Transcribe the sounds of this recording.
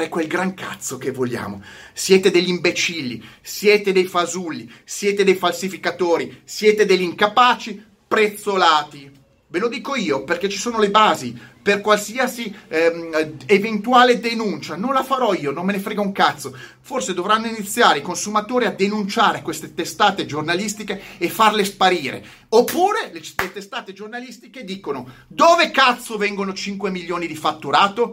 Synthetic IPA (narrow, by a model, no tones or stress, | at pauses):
ekwelɡɾaŋka̰t̪sːokevoʎːa̰ːmo̰sjɛːt̪ed̪eʎːimbet͡ʃilːḭsjɛːt̪ed̪ejfazulːisjɛːt̪ed̪ejfalsifikat̪oːɾisjɛːt̪ed̪eʎːiŋkapaːt͡ʃi | pɾet̪sːolaːt̪i | velod̪iːkoiːoperket͡ʃisoːnolebaːziperkwalsiasi | event̪uaːled̪enunt͡ʃanonlafaɾɔiːonomːenefɾeɡouŋkat̪sːo | forsed̪ovɾanːoinit̪sːjaːɾeikonsumat̪oːɾiad̪enunt͡ʃaːɾekwest̪et̪est̪aːt̪ed͡ʒornalist̪ikeːfːarlespaɾiːɾḛ | opːuːɾelelet̪est̪aːt̪ed͡ʒornalist̪iked̪iːkonod̪oːvekat̪sːovɛŋɡonot͡ʃiŋkwemilːjoːnid̪ifat̪ːuɾaːt̪o